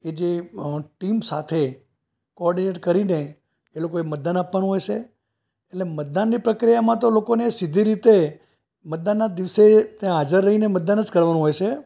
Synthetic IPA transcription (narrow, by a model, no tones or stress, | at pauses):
ed͡ʒeʈimsat̪ʰe | koɔɾɖineʈkəɾine | elokoemət̪̚d̪anapʋanũɦojt͡ʃʰe | eʈlemət̪̚d̪anːipɾəkɾijamãt̪olokonesid̪ʱiɾit̪e | mət̪̚d̪anːad̪iʋset̪jãɦad͡ʒəɾːəɦinemət̪̚d̪anəd͡ʒkəɾʋanũɦojt͡ʃʰe